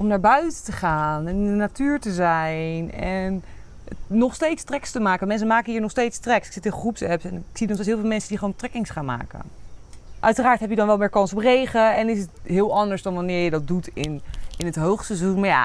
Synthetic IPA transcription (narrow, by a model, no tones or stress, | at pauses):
ʔɔmnaːɹbœɥtətəχaːnɛnɪndənatyːɹtəzɛjnɛn | nɔχstejtstrɛkstəmaːkəmɛns̬əmaːkəɦiːɹnɔχstejtstrɛksɪksɪtɪnχrupsɛpsɛnksinɔχsesɦɪːlˠvɪlˠmɛnsədiχəʋowntrɛkɪŋsχaːnma̰ːkə̰n | ʔœɥtəraːɹtɦɛpjədɑnʋɛlˠmɪːɹkɑnsɔprejχəɛnɪs̬ətɦɪːlˠɑndəɹzdɑnʋanɪːɹjədɑt̚dutɪnɪnətɦowχsəzunmaɹja̰